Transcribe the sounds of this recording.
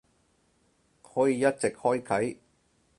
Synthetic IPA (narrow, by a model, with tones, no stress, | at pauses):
kʰɔː˨˥jiː˨˧jɐ˥t̚t͡sɪ˨k̚hɔː˥jkʰɐ˨˥j